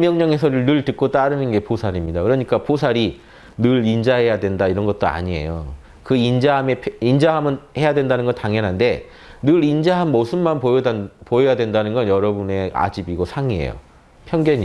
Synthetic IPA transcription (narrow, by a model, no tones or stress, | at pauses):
mjʌŋɲaŋe̞sʰʌɾɯɭnɯɭtɯk̚k͈ot͈aɾɯnɯnɡe̞posʰaɾimɲidakɯɾʌɲik͈aposʰaɾi | nɯɾind͡ʑaɦe̞jadwe̞ndaiɾʌnɡʌt̚t͈oa̰ɲie̞̰jo̰ | kɯind͡ʑaɦmeind͡ʑaɦamɯnhe̞jadwe̞ndanɯnɡʌntaŋjʌnɦande̞ | nɯɾind͡ʑaɦanmosʰɯnmanpopojojadwendanɯnɡʌnjʌɾʌbune̞a̰d͡ʑibiɡosʰaŋiḛjo̰ | pʰjʌŋɡjʌɲi